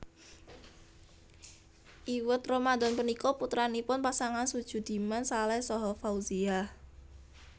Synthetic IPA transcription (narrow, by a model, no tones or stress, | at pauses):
ʔiwət̪romad̪ɔnpənikɔput̪ɾanipʊnpasaŋansud̥ʒ̥ṳd̪̥i̤mansalɛhsɔɦɔfauzia